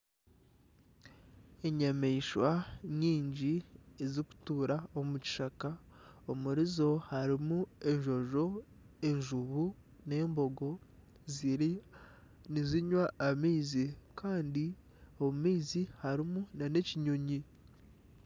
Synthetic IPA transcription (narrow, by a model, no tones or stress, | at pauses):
e̞ɲameiʃwaɲiːɲɟieziku̥tuːɾaomuci̥ʃaka | omuɾizo̞haɾimue̞ɲʒo̞ʒo̞ | e̞ɲʒuβu | ne̞ːmbo̞ɡo̞ | ziɾi | niziɲwaːmiːzikʰaːndi | o̞βumiːzihaɾimunane̞ciɲoɲi